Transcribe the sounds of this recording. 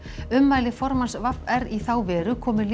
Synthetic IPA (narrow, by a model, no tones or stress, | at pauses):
ʏmːaːjlɪfɔɾmansvapɛɾiθawvɛːɾʏkʰɔːmɪɾl